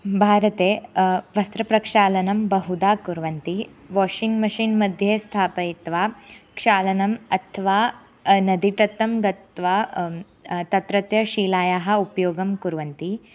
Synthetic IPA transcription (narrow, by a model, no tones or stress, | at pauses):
bʱaːɾɐt̪eːʋɐst̪ɾɐpɾɐkʂaːlɐnɐmbɐɦud̪aːkuɾʋɐnt̪iʋoːʂiŋɡmɐʃinmɐd̪ʱjeːst̪ʰaːpɐit̪ʋaːkʂaːlɐnɐmɐt̪ʰɐʋaː | nɐd̪iʈɐt̪ːɐmɡɐt̪ʋaː | t̪ɐt̪ɾɐt̪jɐʃiːlaːjaːɦɐ̆upɐjoːɡɐmkuɾʋɐnt̪i